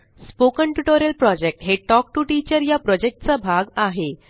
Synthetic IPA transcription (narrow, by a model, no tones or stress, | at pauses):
spokəɳʈuʈoɾjəlpɾɔd͡ʑek̚ʈɦeʈɔk̚ʈuʈit͡ɕəɾjapɾɔd͡ʑek̚ʈt͡sabʱaɡaɦe